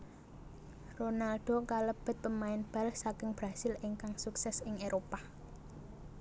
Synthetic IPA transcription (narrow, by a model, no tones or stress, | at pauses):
ronalɖ̥o̤kaləb̥ə̤t̪̚pəmaɪnb̥a̤lhsakɪŋb̥ɾa̤sɪlɪŋkaŋsuksɛsɪŋeɾopa